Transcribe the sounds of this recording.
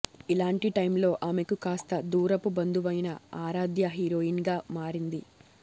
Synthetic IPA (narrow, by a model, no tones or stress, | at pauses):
ilaːɳʈiʈɐjmlo̞ːʔaːmekukaːst̪ɐd̪uːɾɐpubɐnd̪uʋɐjnɐaːɾaːd̪jɐɦiːɾoːjinɡaːmaːɾind̪i